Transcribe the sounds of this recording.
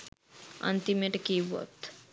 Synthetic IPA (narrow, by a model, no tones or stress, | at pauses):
ɐ̰nt̪imeʈkiʋo̰t̪